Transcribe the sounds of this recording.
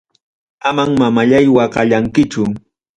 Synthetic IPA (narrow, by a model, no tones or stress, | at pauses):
amaŋmamaʎajwɑɢɑʎaŋkɪt͡ʃʊ